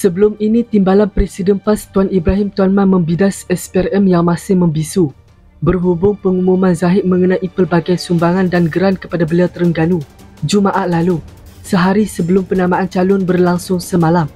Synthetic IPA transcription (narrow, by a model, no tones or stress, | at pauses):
səbəlʊminĩt̪imbalanpɾesidɛnpast̪uanibɾaɦɪmt̪uwanmãnmə̃mbidasɛspɛrɛmjaŋmasɪhmə̃mbisu | bərɦubʊŋpəŋumumãnzaɦɪt̪̚mə̃ŋənãʔipərbaɡajsumbaŋandanɡəɾankə̥padabəliawt̪əɾəŋɡanu | d͡ʒumaʔaʔlalu | səɦaɾisəbəlʊmpənamãʔant͡ʃalʊnbərlaŋsʊŋsəmalam